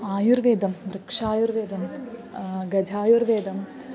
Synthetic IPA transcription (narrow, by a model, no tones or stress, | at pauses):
aːjuɾʋeːd̪ʱɐmʋɾɨkʂaːjuɾʋeːd̪ʱɐm | ɡɐd͡ʒʱaːjuɾʋeːd̪ʱɐm